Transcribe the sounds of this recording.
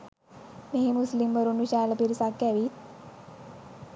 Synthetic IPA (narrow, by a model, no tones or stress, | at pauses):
meɦemuslimʋəɾunʋiɕajləpiɾisakːɛʋit̪̚